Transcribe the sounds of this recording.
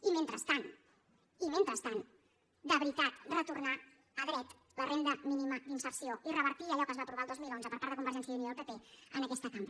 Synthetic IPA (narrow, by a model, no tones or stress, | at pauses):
imẽnt̪ɾəst̪an | iment̪ɾəst̪an | d̪əβɾit̪at̪rət̪urna | əðɾɛt̪ | lərend̪əminiməd̪insəɾsioirəβəɾt̪iəʎɔkəzβapɾuβalˠd̪ozmilˠonzəpəɾpaɾt̪ðəkumbəɾʒɛnsjəiniəlˠpepeənəkɛst̪ək̪am